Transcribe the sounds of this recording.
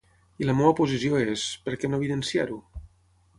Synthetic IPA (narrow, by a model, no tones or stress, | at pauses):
iləmoapuzisioespəɾkɛnoeβiðənsiaɾu